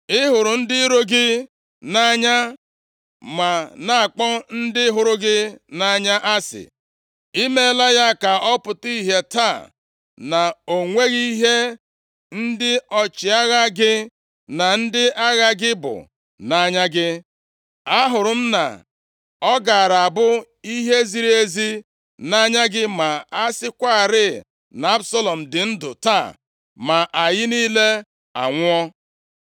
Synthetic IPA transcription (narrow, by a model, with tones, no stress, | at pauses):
ɪ˦ɦʊ˨ɾʊ˨n̩˦dɪ˦ɾo˦ɡɪ˦ | na˦˨ɲa˦ | ma˨na˨a˨k͡pɔ˦n̩˦dɪ˦ɦʊ˨ɾʊ˦ɡɪ˦na˨ɲa˦ʔa˦sɪ̰˨ | i˦me˦la˦ja˦ka˨ʔɔ˦pʊ˨ti˦ɦe˦ta˦˨ | na˨o˨ŋʷe˦ɣi˦ɦe˦ | n̩˦dɪ˦ɔ˨t͡ʃɪ˨a˦ɣa˦ɡɪ˦ | na˨n̩˦dɪ˦ʔa˦ɣa˦ɡɪ˦bʊ̰˨ | na˦ɲa˦ɡɪ˦ | a˦ɦʊ˨ɾʊ˨m̩˦na̰˨ | ɔ˦ɡa˨a˨ɾa˨a˨bʊ˦ | i˦ɦe˦zi˦ɾi˦e˦zi˦ | na˦ɲa˦ɡɪ˦ma˨a˦sɪ˦kʷa˦a˨ɾɪ˦˨ | na˨˦a˦bsɔ˦lɔ˨m̩˨dɪ˨n̩˦dʊ˨ta˦˨ | ma˨ʔa˨jɪ˦niː˦le˦ | a̰˨ŋʷ˦ɔ˦